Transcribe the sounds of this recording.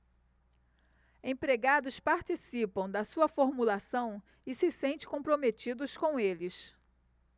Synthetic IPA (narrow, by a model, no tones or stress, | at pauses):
ẽj̃pɾeɡad̪ʊspaɾt͡ʃisipɐ̃w̃d̪ɐsuɐfoɾmulasɐ̃w̃ | ɪsɪsẽnt͡ʃɪ̥̃kõpɾomet͡ʃid̪ʊskõw̃elɪs